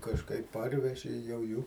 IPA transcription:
kɐʃˈkɐɪp ˈpɐrʲʋʲɛʒʲɪ jɛʊ ˈjuː

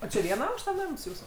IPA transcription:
oː t͡ʃʲɪ ˈʋʲiɛnɐ ˈɐʊkʃtɐ ˈnɐms ˈjuːsʊ

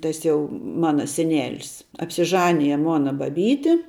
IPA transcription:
ˈtɐs jɛʊ ˈmɑːnɐ sʲɛˈnʲæːlʲɪs ɐpʲsʲɪˈʒɑːnʲɪjɛ ˈmoːnɐ bɐˈbʲiːtʲɪ

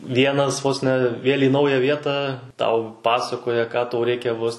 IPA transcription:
ˈʋʲiɛnɐs ʋoːs nʲɛ ˈʋʲeːlʲ iː ˈnɐʊjæː ˈʋʲiɛtɑː ˈtɐʊ ˈpɑːsɐkoːjɛ kɑː ˈtɐʊ ˈrʲɛɪkʲɛ ʋoːs

